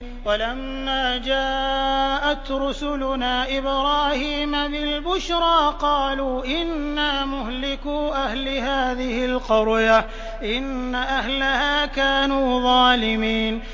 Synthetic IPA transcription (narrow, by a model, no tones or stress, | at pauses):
walamːaːd͡ʒaːʔat̪ɾʊsʊlʊnaːʔɪbɾɑːhiːmabɪlbʊʃɾˤɑːqɑːluːʔɪnːaːmʊhlɪkuːʔahlɪhaːðɪhɪlqʊɾja | ʔɪnːaʔaɦlahaːkaːnuːðˤɑːlɪmiːn